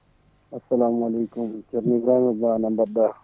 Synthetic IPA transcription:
ɐsːɐlaːmɐleːkʊmt͡ʃɐɾniɡɾaːmebanɐmbɐɾd̪a

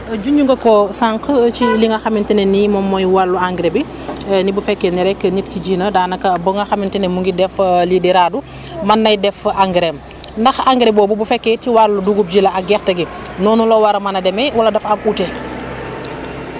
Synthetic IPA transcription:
ɟuɲɟuŋɡɐkosaŋkət͡ʃiliŋaxamintinenimɔmːojwalːuaŋɡɾebi | nibufɛkːeniɾɛkːəɲitkiɟiːnədaːnɐkɐboŋaxamintinemuŋɡidɛflidiɾadu | mɐnːɐjdɛfaŋɡɾem | ndɐxaŋɡɾebobubufɛkːetiwalːuduɡub̚d͡ʒilɐaɡɛxtɐɡinɔːnulowaɾɐmanɐdɛmɛwalɐdɐfamute

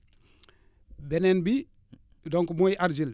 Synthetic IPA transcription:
bɛnɛnbi | dɔŋkumojaɾzil

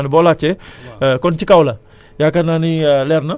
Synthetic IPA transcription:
nibolat͡ʃekont͡ʃikawla | jakɐnanileɾnɐ

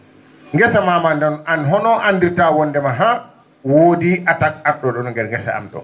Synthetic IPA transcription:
ŋɡɛsamamandananɦɔnɔʔandiɾtawɔndɛmaɦa | woːdiʔatakaɗɔɗɔnŋɡɛɾŋɡɛsa̰a̰mɗɔ̰

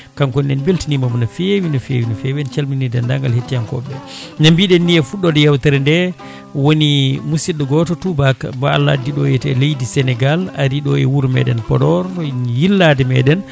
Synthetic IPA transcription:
kaŋkɔnɛnbeltinimamunafewinɔfḛwinɔfɛwɛnt͡ʃalminidɛndaŋɡalhetːijankɔ̰bɛɲambiɗɛnːiɛfuɗɔdɛjawtaɾɛndɛ | wonimusiɗɛɡɔtɔtubakbaalːa̰diɗɔjɛtɛlejdisɛnɛɡala̰ɾiɗɔɛwuɾmɛ̰ɗɛnpɔdɔɾjilːadɛmɛ̰ɗɛn

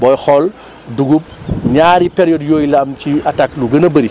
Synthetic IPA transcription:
bɔːjxɔl | duɡup̚ɲaːɾipɛɾjɔdjoːjlɐɐmciatakluɡɐnɐbɐɾi

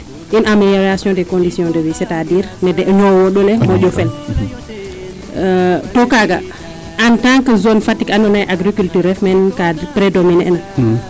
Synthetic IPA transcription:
ʔinamelɔɾasjɔ̃ndɛkõndisijɔ̃ndəvisɛtadiɾnɛdɛʔɲɔwɔɗɔlɛmɔd͡ʒɔfɛl | tɔkaɡa̰ | ʔantãŋkəzonfatikanɔnajʔaɡɾikyltyɾɛfmɛnkapɾɛdominɛ̰na

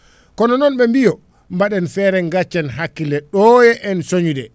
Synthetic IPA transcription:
kɔnɔnɔnɓɛmbijɔ | mbaɗɛnfɛːɾɛŋɡat͡ʃːɛnɦakːilɛɗɔjɛʔɛnsoɲudɛ

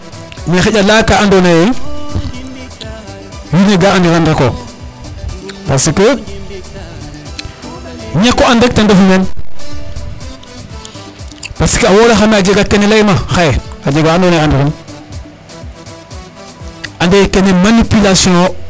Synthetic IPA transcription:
nexeɟalakaandonaje | juneɡaandiɾandako | pasikə | ɲekːoandak̚tandofumen | pasə̥kəawolaxamead͡ʒeɡakenelajmaxajead͡ʒeɡaandonaandiɾon | andekenemanipilasjõ

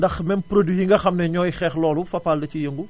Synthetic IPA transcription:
ndɐxmɛmpɾodijiŋɡɐxɐmnɛɲɔːjxɛːxlɔːlufɐpaːldɐcijəŋɡu

